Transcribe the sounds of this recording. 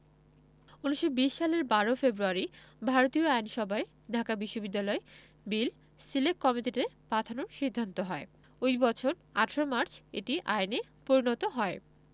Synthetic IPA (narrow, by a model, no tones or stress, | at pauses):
uniʃobiʃːaleɾbaɾofebɾuaɾibʱaɾot̪ioajnʃɔbae | dʱakabiʃːobid̪ːalɔe | bil | silekkːɔmiʈiʈepat̪ʰanoɾʃid̪ʱːant̪oɦɔe | ojbɔt͡ɕʰoɾ | aʈʰɾomaɾt͡ɕʰḛʈiʔajne | poɾinot̪oɦɔe